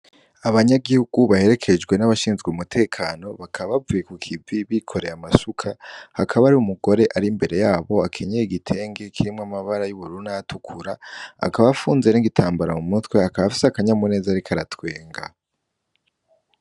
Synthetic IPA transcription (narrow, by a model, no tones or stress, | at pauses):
aβaɲaɡihuɡ̥uβahe̞ɾe̞kʰe̞d͡ʒɡwe̞naβaʃiːnzɡeumutʰe̞ːkʰaːno̞βakʰaβaβavujekukʰiviβikʰo̞ɾe̞jamasukʰahakʰaβaɾiumuɡo̞ɾe̞ʔaɾimbe̞ɾe̞jaːβo̞akʰe̞ɲeiɡitʰe̞ːŋɡe̞kʰiɾimŋamaβaɾajuβuɾuunajatukʰuɾaa̰kaβaafuːnzeniŋɡitʰaːmbaɾamumutwe̞akaβafi̥seakaɲamune̞ːzaɾikʰaɾatwe̞ːŋɡa